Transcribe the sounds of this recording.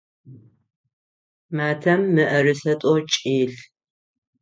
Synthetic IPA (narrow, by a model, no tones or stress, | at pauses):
maːtʰɐmːɨʔɐrɨsɐtʼot͡ʃʼiːɬ